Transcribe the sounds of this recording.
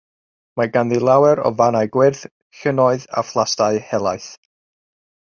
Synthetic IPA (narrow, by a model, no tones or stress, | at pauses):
maɡanðilˠawɛɾɔ̰vanaɨɡwɪrθ | ɬənɔɨða̰flˠastaɨhɛlˠajθ